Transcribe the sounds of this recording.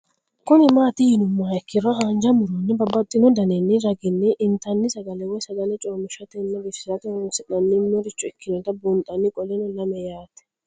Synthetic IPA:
kʊnɪmaːt̪ɪjɪnʊmːaːɛkːɪɾɔɦand͡ʒɐmʊɾɔnːɛbɐbːɐt̪ʼːɪnɔd̪ɐnɛnːɪɾɐɡɪnːɛʔɪnt̪ɐnːɪsɐɡɐlɛwɔjsɐɡɐlɛt͡ʃʼoːmʊʃɐt̪ɛnːɛɾɪʃɪsɐt̪ɛsɛnɐnːɪnːɔɾɪt͡ʃːʊɛkːɪnɔt̪ɐbʊnt̪ʼɐnːɪkʼɔlɛnɔlɐmɛjaːt̪ɛ̥

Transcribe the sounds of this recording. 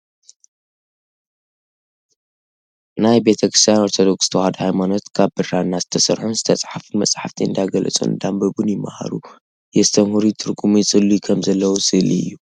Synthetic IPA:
najbe̞t̪ʰɐkɾist̪ʰijanoɾt̪ʰo̞d̪o̞kʼst̪ʰɐwhad̪hajmano̞t̪kʰaβbɨrːanːazɨt̪ʰɐsɐɾħunzɨt̪ʰɐsʼħafɨnmɐt͡sʼħaft̪ʰiɨnd̪ajɡɐlɐ̰t͡sʼṵnd̪ambɐbunjɪmːa̰ha̰ɾu | jɛst̪ʰɐmhuɾit̪ʰɨɾɡumisʼɨlːikʰɐmzɐlːɐwusɨlḭɨ̰jːu

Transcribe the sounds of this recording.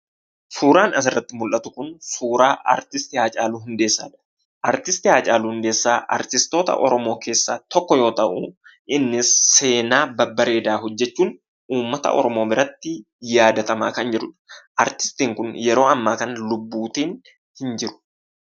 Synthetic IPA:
suːɾaːnɐs̬ɪrːɐt̪ːɪmʊlʔɐt̪ʊkʊnsuːɾaːʔɐ̰ɾt̪ɪst̪ɪhaːt͡ʃʼaːluːɦʊnd̪e̞ːsːaːᶑɐ̥ | ʔɐɾt̪ɪst̪ɪhaːt͡ʃʼaːluːhʊnd̪e̞ːsːaːʔɐ̰ɾt̪ɪst̪o̞ːt̪ɐ̰ʔɔɾɔmo̞ːke̞ːsːa̰ːt̪ɔkːɔjo̞ːt̪ɐʔʊʔɪnːɪsːe̞ːnaːbɐbːɐɾe̞ːd̪aːɦɔd͡ʒːɛt͡ʃːuːn | uːmːɐt̪ɐ̰ʔɔ̰ɾɔmo̞ːbɪɾɐt̪ːɪ | jaːd̪ɐt̪ɐmaːkɐnd͡ʒɛᶑʊᶑɐ̥ʔɐɾt̪ɪ̥st̪iːŋkʊnjɛɾo̞ːɐmːaːkɐnlʊbːuːt̪iːn | hɪnd͡ʒɪɾʊ̥

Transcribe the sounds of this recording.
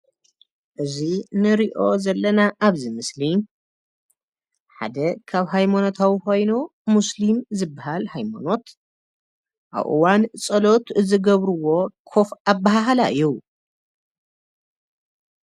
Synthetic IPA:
ʔɨzinɨɾiʔo̞zɐlːɐnaʔaβzimɨsli | ħa̰d̪ɐkʰaβɦajmano̞t̪ʰawiko̞jnu | muslimzɨbːaɦalhajma̰no̞t̪ | ʔa̰βʔɨ̰want͡sʼɐlo̞t̪ɨzɨɡɐβɾuwo̞kʰo̞fabːaɦaɦalaʔɨju

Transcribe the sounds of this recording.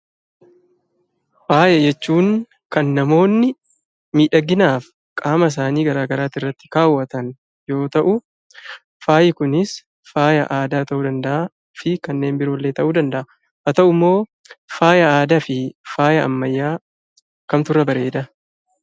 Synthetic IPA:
faːjɐd͡ʒɛt͡ʃːuːŋ | kɐnːɐmo̞ːnːɪ | miːᶑɐɡːɪnaːf | kʼaːmɐs̬aːniːɡɐɾaːɡɐɾaːt̪ɪrːɐt̪ːɪ̥kaːwːɐt̪ɐn | jo̞ːt̪ɐʔʊ | faːjɪkʊnɪs | faːjɐʔaːd̪aːt̪ɐʔuːd̪ɐnd̪ɐʔa | fɪkɐnːe̞ːmbɪɾo̞ːlːe̞ːt̪ɐʔuːd̪ɐnd̪ɐʔɐ | ʔɐt̪ɐʔʊmːo̞ː | faːjɐaːd̪afɪfaːjɐɐmːɐjːaː | kɐmt̪ʊrːɐbɐɾe̞ːd̪ɐ

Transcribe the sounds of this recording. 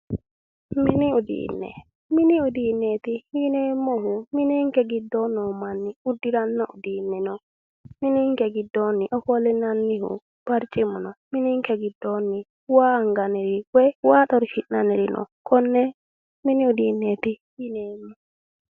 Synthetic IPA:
miniudḭːnːɛ̰ | miniudinːet̪ijinemːɔhuminiŋkɛɡidːɔnɔmanːiudːiɾanːaʔṵdiːnːɛnɔ | miniŋkɛɡidːɔnːiʔɔkɔlɛnanːihṵ | b̥aɾt͡ʃʼimɔnɔminiŋkɛɡidːɔnːi | waːŋɡanɛɾiwɛwaːɗɔɾfinaniɾinʔɔ̰kʰɔnːɛ | miniudinːet̪i | jineːmːɔ

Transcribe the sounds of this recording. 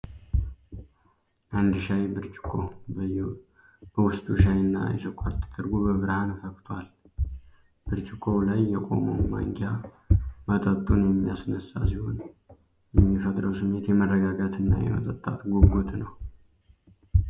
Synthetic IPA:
ʔand̪ɨʃajbɨɾt͡ʃʼɪ̥kʰo | b̥əwʊst̪ʼuʃajɨnːa̰jɛ̰səkʷʼaɾt̪ʰːɨ̥t̪ʼɨɾɡobəβɨɾhanfəkt̪ʰwal | b̥ɨɾt͡ʃʼɪkʰʼːo̞lajːɛkʼo̞̰momwa̰ŋɡa | mət̪ʼət̪ʼːunjɛmːijasnəsːa̰siho̞n | jɛmːifət̪ʼɾəwsɨmːe̞t̪jɛmərːəɡaɡat̪ʰɨnːa̰jɛ̰mə̰t̪ʼət̪ʼːat̪ɡoɡot̪nəw

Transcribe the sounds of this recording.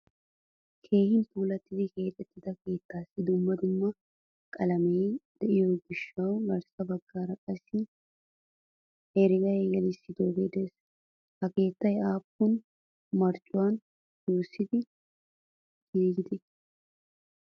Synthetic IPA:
kʰe̞ːhɪnpuːlɐt̪ːɪd̪ɪke̞ːt̪ʼɛt̪ːɪd̪ɐke̞ːt̪ːaːsːɪd̪ʊmːɐd̪ʊmːɐ | kʼɐlɐmeːd̪̥ɛʔɪjoːɡɪʃːɐwlɐɾsɐbɐɡːaːɾɐkʼɐsːɪ | hɛɾɪɡɐjɡɛlɪsːɪd̪oːɡeːd̪ɛs | hɐke̞ːt̪ːɐjaːpːʊn | mɐɾt͡ʃʼʊwan | joːsːɪd̪ɪ | ɡiːɡɪd̪ɛ

